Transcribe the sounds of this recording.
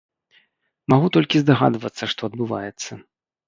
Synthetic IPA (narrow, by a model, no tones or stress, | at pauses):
maɣut̪ɔlʲkʲizd̪aɣa̰d̪vɐt̪sːɐʂt̪ɔɐd̪̚bɨva̰jɛt̪sːɐ